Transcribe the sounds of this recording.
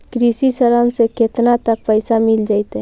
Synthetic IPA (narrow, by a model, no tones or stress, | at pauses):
kɾisisəɾənseket̪nat̪ək̚pəɪsamɪld͡ʒaːɪt̪ɦɛ̃